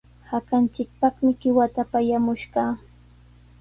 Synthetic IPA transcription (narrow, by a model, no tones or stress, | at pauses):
hakant͡ʃɪk̚pɑχmɪɢɪwat̪apajamʊʃɢɑː